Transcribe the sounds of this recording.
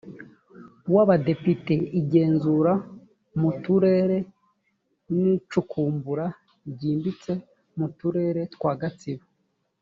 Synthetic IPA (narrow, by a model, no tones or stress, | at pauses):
waβade̞pite̞iɟe̞ːnzuɾa | mutuɾe̞ɾe̞ | nit͡ʃukʰuːmbuɾa | ɟiːmbit͡se̞ | mutuɾe̞ːɾe̞tkwaːɡat͡siβo